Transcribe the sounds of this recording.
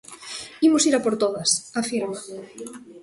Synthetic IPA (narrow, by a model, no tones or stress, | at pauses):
imusiɾapoɾt̪oðasafiɾma